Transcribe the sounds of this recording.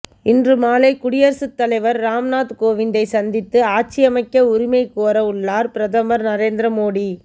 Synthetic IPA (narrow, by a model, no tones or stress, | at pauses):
ɪndrɯmaːlɐɪkʊɽɪjɐɾsɯt̪ːɐlɐɪʋɐɾːaːmnaːt̪koːʋɪnd̪ɐɪsɐnd̪ɪt̪ːɯaːt͡ʃɪjɐmɐɪkːɐʊɾɪmɐɪkoːɾɐʊɭːaːɾpɪɾɐðɐmɐɾnɐɾeːnd̪ɾɐmoːɽi